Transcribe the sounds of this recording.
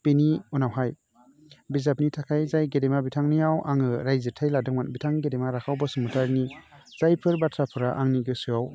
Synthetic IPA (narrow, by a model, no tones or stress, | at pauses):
peniunawɦaj | bizap̚nitʰakʰajzajɡedemabitʰaŋnijawʔaŋɯɾajzɯtʰajladɯŋmanbitʰaŋɡedemaɾakʰawbɔsɯmɯtʰaɾniz̥ajpʰɯɾbatʰɾapʰɯɾaʔaŋniɡɯsuaw